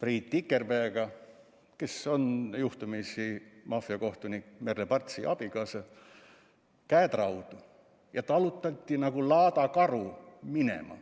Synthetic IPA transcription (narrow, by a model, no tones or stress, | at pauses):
priːt̪ʲːˑikːˑerpeːɡ̥ɑ | keso̞njuht̪umisimɑfiɑko̞ht̪unʲikmerlepɑrt̪siʔɑb̥ikɑsɑ | kæːt̪rɑwd̪u | jɑt̪ɑlut̪ːˑɑt̪ʲːinɑɡ̥ulɑːt̪ɑkɑruminḛmɑ̰